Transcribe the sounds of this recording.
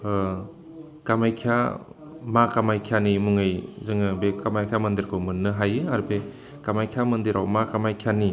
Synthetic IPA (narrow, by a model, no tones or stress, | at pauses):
kamajkʰija̰ | makamajkʰianimuŋɯjzɯŋɯbekamajkʰijamɐndiɾkʰɯwmɯnːɯɦajɯaɾbe | kamajkʰiamɯndiɾawmakamajkʰijani